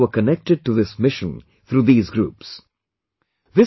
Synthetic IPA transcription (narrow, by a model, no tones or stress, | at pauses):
əkənɛk̚ʈɪɖ̚ʈuðɪsmɪʃə̃n | θʰɾuːðiːzɡɾṵːps | ðɪ